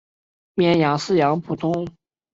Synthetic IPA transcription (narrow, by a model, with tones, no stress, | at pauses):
mjɛ˧˩njɑ˧˥ŋsɹ̩˥˩jɑ˧˥ŋpʰu˨˩t̪ʰʊ˥ŋ